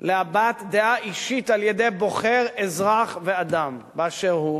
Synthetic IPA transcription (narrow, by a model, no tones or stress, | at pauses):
leabat̪d̪eaʔiʃit̪aljedejbo̞χe̞ʁezʁaχvead̪ambeaʃeʁhu